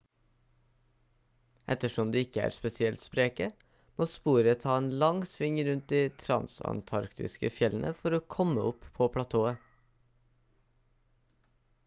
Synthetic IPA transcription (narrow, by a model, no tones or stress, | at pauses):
ʔɛt̪əʃɔmd̪ʉːɪkəæ̰ːɾspɛsɪɛlt̪spɾeːkə | moːspuːɾət̪ʰɑːeːnlɑŋsʋɪŋɾʉnt̪̚d̪iːt̪ʰɾɑ̰nsɑ̰nt̪ʰɑɾkt̪ɪ̰skəfjɛln̩ʔəfɔɾoːkʰɔməʊpʰoːpʰɽɑt̪ʰoːə